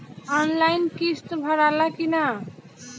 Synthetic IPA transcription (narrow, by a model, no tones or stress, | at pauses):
ɔnlajnkist̪bʱɔɾalakina